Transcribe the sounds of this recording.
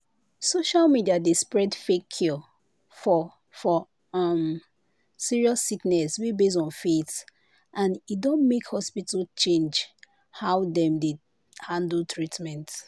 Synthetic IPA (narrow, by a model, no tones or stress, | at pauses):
soʃalmidiadespɹɛdfekʰːɔ | fɔ | fɔ | ɔm | siɹiɔsːiknɛswibes̬ɔ̃nfet | ʔãnidɔ̃nmekhɔspitalt͡ʃẽnd͡ʒ | haʊdɛ̃mde | hãndəl̩tʰɹitmɛ̃nt